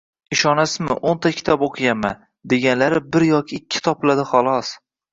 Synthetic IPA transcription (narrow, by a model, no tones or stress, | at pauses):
ɪʃɒnasɪzmɪ̰ʔont̪ʰakʲʰɪ̥t̪ʰɒboqʰɨɡʲanman | d̪e̞ɡʲanlaɾɪbɪɾjɒkʲʰɪːkʲʰːɪ̥t̪ʰɒplad̪ɪχɒlˠɒs